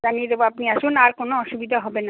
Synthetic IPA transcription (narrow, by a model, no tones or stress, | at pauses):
anied̪eboapniaʃunaɾkonoɔʃubid̪ʱaɦɔbena